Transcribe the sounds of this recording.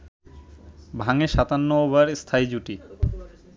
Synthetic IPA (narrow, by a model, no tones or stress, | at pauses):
bʱaŋeʃat̪anːooβaɾst̪ʰaid͡ʑuʈi